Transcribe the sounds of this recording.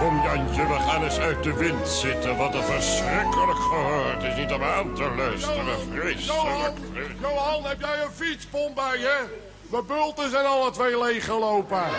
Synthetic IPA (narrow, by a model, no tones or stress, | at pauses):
kɔmdɑnt͡ʃəʋəχaːnəsœɥt̚dəʋɪntsɪtəʋɑtəfəɹsrɪkələkχəɦøːtɪsnitɔpaːntəlœstəʋəfrɪsonjowɦɑnɦɛpjɛjənfitspɔnbɛjɛ | ʋəbølˠtəsɛnɑlˠətʋejlejχəlowpə